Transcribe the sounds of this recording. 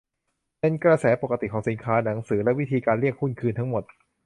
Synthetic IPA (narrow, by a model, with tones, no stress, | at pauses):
pe˧nkɾa˧sɛː˩˦po˨˩ka˧t̪i˨˩kʰɔː˩˦ŋsi˩˦nkʰaː˦˥na˩˦ŋsɯː˩˦lɛ˦˥ʔwi˦˥t̪ʰiː˧kaː˧nɾli˥˩ək̚ʰːu˥˩nkʰɯː˧nt̪ʰa˦˥ŋmo˨˩t̪̚